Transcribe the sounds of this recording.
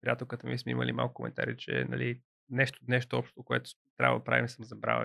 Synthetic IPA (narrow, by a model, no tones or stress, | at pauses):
pɾʲjat̪ɛlkət̪omismɛiməlimalˠkʊ̥komɛ̰nt̪a̰ɾit͡ʃɛ̰nɐli | nɛʃt̪onɛʃ̬t̪oɔpʃt̪t̪okoɛt̪o̥t̪ɾʲa̰vəd̪ɐpɾavimisəmzɐbɾa̰və̰